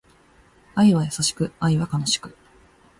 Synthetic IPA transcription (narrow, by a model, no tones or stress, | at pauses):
aiβajasaɕi̥kɯ̟aiβakano̞ɕi̥kɯ̟